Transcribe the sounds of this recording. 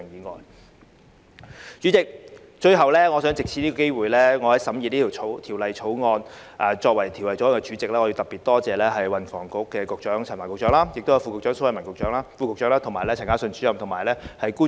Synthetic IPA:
ŋjiː˨ŋɔ̰ː˨j | t͡ʃy˨˥t͡sɪ˨k̚ | t͡ʃɵ˧ɥɦɐ˨wlɛː˥ŋɔː˨˧sœː˨˥ŋt͡sɪ˨k̚t͡ɕʰiː˧ni˥ɔː˧ke˥jwuː˨jlɛː˥ŋɔː˨˧hɐ˨˥jsɐ˨˥mjiː˧niː˥t̪ʰːwʰo˨˥wt̪ʰi˨˩wlɐ˨jt͡ʃʰo˨˥wŋɔː˧n | ʔaː˨t͡ʃɔː˧k̚wɐ˨˩jt̪ʰi˨˩wlɐ˨jt͡sɔ˨˥˨kɛ˧t͡ʃy˨˥t͡sɪ˨k̚laː˥ŋːɔ˨˧jwt̪ɐ˨pːiː˨˩t̪̚ɔː˥t͡sɛː˨lɛː˥ɦɐ˨jwɐ˨nfɔ̰ː˨˩ŋkʊ˨˧˥kːɛː˧kʊ˨k̚t͡ʃœː˨˥ŋt͡sʰːnma˨˩kʊ˨k̚t͡ʃœː˨˥ŋlaː˥jɪ˨k̚t̪jɐ˧wfu˧kʊ˨k̚t͡ʃœː˨˥ŋso˨˥wɐ˨jmɐ˨˩nkʊ˨k̚t͡ʃœː˨˥ŋlaː˥fuː˧kʊ˨k̚t͡ʃœː˨˥ŋlaː˥t̪ʰʊ˨˩ŋmaː˨˩jlɛː˥˨˩ŋkaː˥sɵ˧nt͡ʃyː˨˥jɐ˨mt̪ʰʊ˨˩ŋmaː˨˩jlɛː˥hɐ˨jkuː˥

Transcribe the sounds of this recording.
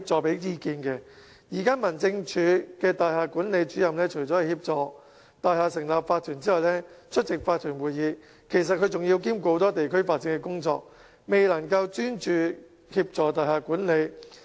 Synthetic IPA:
p̚t͡sɔː˨pe˨˥jjiː˧kiː˧nkɛ˧ | jiː˨˩kaː˥mɐ˨˩nt͡sɪ˧ŋt͡ʃʰyː˨˧˥kɛː˧t̪aː˨jhaː˨kuː˨˥nle˨˧jt͡ʃyː˨˥jɐ˨mlɛː˥t͡ʃʰɵ˨˩jt͡sɔː˨˥hɐ˨˩hiː˧p̚t͡sɔː˨ | t̪aː˨˧jhaː˨sɪ˨˩ŋlaː˨p̚faː˧t̪ʰyː˨˩nt͡siː˥ɐ˨jlɛː˥t͡ʃʰɵ˥t̚t͡sɪ˨k̚faː˧t̪ʰyː˨˩nwuː˨jiː˨˧ | kʰe˨˩js̬ɐ˨t̚kʰɵ˨˧ɥt͡sʊ˨ŋji˧wk̬iː˥mkʷo˧˥wt̪ɔː˥t̪e˨jkʰɵ˥ɥfaː˧t̚t͡sːɪ˧ŋkɛ˧kʊ˥ŋt͡sɔ̰ː˧k̚ | me˨˩jlɐ˨˩ŋkɐ˧wt͡ʃyː˥nt͡ʃyː˨˧ | hiː˧p̚t͡sɔː˨t̪aː˨˩jhaː˨kuː˨˥nle˨˧j

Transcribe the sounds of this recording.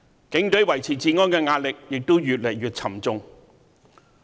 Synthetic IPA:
kɪ˨˥ŋt̪ɵ˨˥ɥwɐ˨˩jt͡sʰiː˨˩t͡siː˨ŋɔː˥nkɛː˧ŋaː˧t̚lɪ˨k̚jɪ˨k̚t̪o˥wjyː˨t̚lɐ˨˩jɥyː˨t̚t͡sʰɐ˨˩mt͡sʊ˨ŋ

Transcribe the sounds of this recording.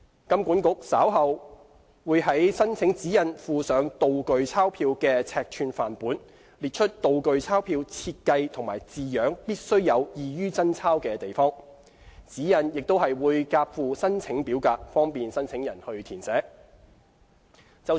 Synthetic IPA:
kɐ˥mkʷuː˨˥nkʊ˨˥k̚saː˨˥wɦɐ˨˧w | wuː˨˧jɦɐ˨˥jsɐ˥nt͡sʰɪ˨˥ŋt͡siː˨˥jɐ˨nfuː˨sœː˨˧ŋt̪o˨wkɵ˨ɥt͡sʰaː˥wpʰiː˧wkɛː˧t͡sʰɛː˧k̚t͡ʃʰyː˧nfaː˨˩npuː˨˥n | liː˨t̚t͡ʃʰɵ˥t̚t̪o˨wkɵ˨ɥt͡sʰaː˥wpʰiː˧wt͡sʰiː˧t̚kɐ˧jt̪ʰʊ˨˩ŋma̰ː˨˩jt͡siː˨jœː˨˥ŋpiː˥t̚sɵ˥ɥjɐ˨˧wjiː˨jyː˥t͡sɐ˥nt͡sʰaː˥wkɛː˧t̪e˨jfɔː˥ŋ | t͡siː˨˥jɐ˨˧njɪ˨k̚t̪o˥whɐ˨jwuː˨˧jkaː˧p̚fuː˨sɐ˥nt͡sʰɪ˨˥ŋpiː˨˥wkaː˧k̚fɔː˥ŋpiː˨nsɐ˥nt͡sʰɪ˨˥ŋjɐ˨˩nhɵ˧ɥt̪ʰiː˨˩nsɛː˨˥ | t͡sɐ˥

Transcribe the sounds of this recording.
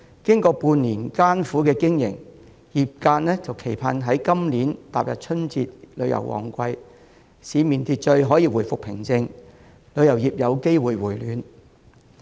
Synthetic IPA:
kɪ˥ŋkɔː˧puː˧nːiː˨˩nkaː˥nfuː˨˥kɛː˧kɪ˥ŋjɪ̰˨˩ŋ | jiː˨p̚kaː˧nnɛː˥t͡sɐ˨wkʰe˨˩jpʰaː˧nɦɐ˨˥jkɐ˥mnliː˨˥nt̪a̰ː˨p̚jɐ̰˨p̚t͡ʃʰɵ˥nt͡siː˧t̚lɵ˨˧ɥjɐ̰˨˩wʔɔ̰ː˨˩ŋkʷɐ˧j | siː˨˧miː˨˩nt̪iː˧t̚t͡ʃɵ˧ɥɦɔː˨˥jiː˧wu˨˩jfʊ˨k̚pʰɪ˨˩ŋt͡sɪ˧ŋ | lɵ˨˧ɥjɐ˨˩wjiː˨p̚jɐ˨˧wke˥jwuː˨jwuː˨˩jlyː˨˧n

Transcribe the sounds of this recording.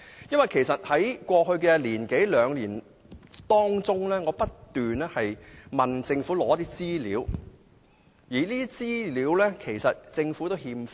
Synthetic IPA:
jɐ˥nwɐ˨˩jkʰe˨˩jsɐ˨t̚hɐ˨˥jkʷɔː˧hɵ˧ɥkɛː˧liː˨˩nke˨˥jlœː˨˧ŋliː˨˩n | t̪ɔː˥ŋt͡sʊ˥ŋlɛː˥ŋɔː˨˧pɐ˥tt̪yː˨nɛː˥hɐ˨jmɐ˨nt͡sɪ˧ŋfuː˨˥lɔː˨˥ɐ˥t̪iː˥t͡siː˥lḭː˨˥w | jiː˨˩liː˥d̪i˥t͡siː˥liː˨˧˥wlɛː˥kʰe˨˩jsɐ˨t̚t͡sɪ˧ŋfuː˨˥t̪o˥whiː˧mf

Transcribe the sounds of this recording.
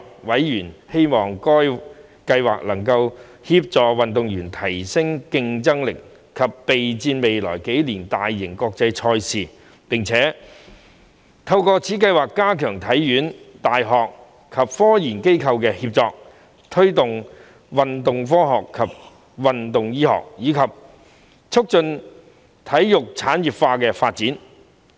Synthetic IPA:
wɐ˨˥jjyː˨˩nhe˥jmɔː˨ŋkɔː˥j | kɐ˧jwa̰ː˨k̚lɐ˨˩ŋkɐ˧w | hiː˧p̚t͡sɔː˨˧wɐ˨nt̪ʊ˨ŋjyː˨˩nt̪ʰɐ˨˩jsɪ˥ŋkɪ˧ŋt͡sɐ˥ŋlɪ˨k | kʰːɐ˨pːe˨jt͡siː˧nme˨jlɔ̰ː˨˩jke˨˥jliː˨˩nt̪aː˨jːɪ˨˩ŋkɔː˧k̚t͡sɐ˧jt͡ʃʰɔː˧jsiː˨˩ | pɪ˨˩ŋt͡sʰɛː˨˥ | t̪ʰɐ˧wkɔː˧t͡sʰiː˨˥kɐ˧jwaː˨˩kːaː˥kʰœː˨˩ŋt̪ʰɐ˨˥jːyː˨˥nt̪aː˨jɦɔː˨k̚ | kʰɐ˨p̚fɔː˥jiː˨˩nke˥jkʰɐ˧wkɛː˧hiː˧p̚t͡sɔː˧k̚ | t̪ʰɵ˥ɥt̪ʊ˨ŋ | wɐ˨nt̪ʊ˨ŋfɔː˥ɦɔː˨kʰːɐ˨˩p̚ | wɐ˨nt̪ʊ˨ŋjiː˥hɔ̰ː˨k̚jiː˨˧kʰɐ˨p̚ | t͡sʰʊ˥k̚t͡ʃɵ˧n | t̪ʰɐ˨˥jjʊ˨k̚t͡sʰaː˨˥njiː˨˩pfaː˧kɛː˧faː˧t̚t͡siː˨˥n

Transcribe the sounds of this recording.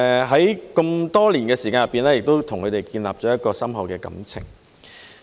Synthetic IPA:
ɦɐ˨˥jkə˧mt̪ɔː˥liː˨˩nkɛː˧siː˨˩kaː˧njɐ˨pːiː˨˩nlɛː˥jɪ˨k̚t̪o˥wt̪ʰʊ˨˩ŋkʰɵ˨˧t̪e˨jkiː˧nlaː˨p̚t͡ʃɔː˨˥jɐ˥t̚kɔː˧sɐ˥mhɐ˨˧wkɛː˧kɐ̰˨˥mt͡sʰɪ̰˨˩ŋ

